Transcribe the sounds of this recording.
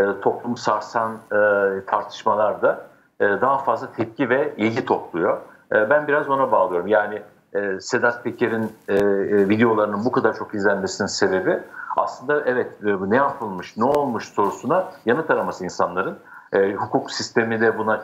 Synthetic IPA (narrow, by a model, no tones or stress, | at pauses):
t̪ʰo̞plˠumsaɾsant̪ʰaɾt̪ʰɯ̥ʃmalˠaɾd̪a | d̪aɦafazlˠat̪ʰɛp̚civɛilʲɟit̪ʰo̞plˠujo̞ | bænbiɾazbo̞nabaːlˠɯjo̞ɾumjaːnɪ | se̞d̪at̪pʰe̞cʰeɾinː | vid̪ejo̞lˠaɾɯnɯnbukʰad̪aɾt͡ʃʰo̞kizlʲænme̞sininse̞be̞bia̰slˠɯnd̪aʔɛvɛt̪ːnɛjapʰɯlˠmɯʃnɛo̞lˠmuʃso̞ɾusunajanɯt̪ʰaɾamasɯinsanlˠaɾɯnːhukʰuksist̪ʰe̞mid̪ʲɛbuna